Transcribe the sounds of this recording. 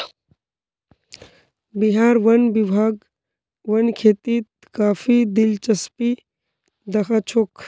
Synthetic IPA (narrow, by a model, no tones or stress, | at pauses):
biɦaːɾʋɐnbibʱaːɡ | ʋɐnkʰeːt̪it̪ | kaːfʰid̪ɪlt͡ʃɐspi | d̪ɐkʰat͡ʃʰok